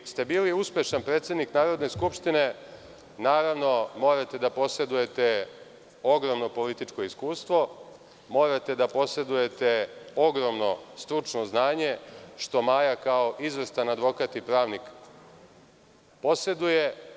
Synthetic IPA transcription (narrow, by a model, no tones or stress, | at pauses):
st̪e̞biːliuspʲje̞ʃanpɾet̪sje̞d̪niknaːɾo̞d̪ne̞skupʃt̪ine̞ | naːɾaʋno̞mo̞ːɾat̪e̞d̪apo̞se̞d̪uje̞t̪e | o̞ɡɾo̞mno̞po̞lit̪it͡ʃko̞iskuːst̪ʋo̞ | mo̞ɾat̪e̞d̪apo̞se̞d̪uje̞t̪eo̞ɡɾo̞mno̞st̪ɾut͡ʂno̞znaːɲe̞ʃt̪o̞majakao̞ʔizʋest̪anad̪ʋo̞kat̪ipɾaːʋnik | po̞se̞d̪uje̞